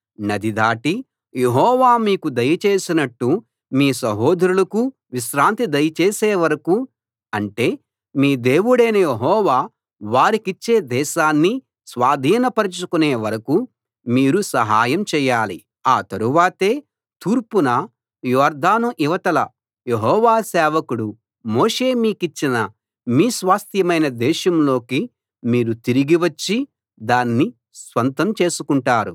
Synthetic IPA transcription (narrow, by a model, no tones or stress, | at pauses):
nɐd̪id̪aːʈi | je̞ɦɔːʋaːmiːkud̪ɐjɐt͡ʃeːsinɐʈːu | miːsɐɦoːd̪ʱɾulɐku | ʋiʃɾaːnt̪id̪ɐjɐt͡ʃe̞ːseːʋɐɾɐku | ɐɳʈe̞ː | miːd̪e̞ːwuɽeːnɐjeɦɔːʋaː | ʋaːɾikit͡ʃːe̞ːd̪ɛːʃaːnːi | sʋaːd̪ʱiːnɐpɐɾit͡ʃukuneːʋɐɾɐku | miːɾusɐɦaːjɐmt͡ʃɛːjːaːlḭ | aːt̪ɐɾuʋaːt̪e̞ː | t̪uːɾpunɐ | jɔːɾd̪ʱaːnuʔiʋɐt̪ɐlɐ | jeɦɔːʋaːsɛːʋɐkuɽu | moːʂe̞ːmiːkit͡ʃːinɐ | miːsʋaːst̪ʰjɐmɐjnɐd̪ɛːʃɐmlo̞ːki | miːɾut̪iɾiɡiʋɐt͡ʃːi | d̪aːnːi | sʋɐnt̪ɐmt͡ʃe̞ːsukuɳʈaːɾu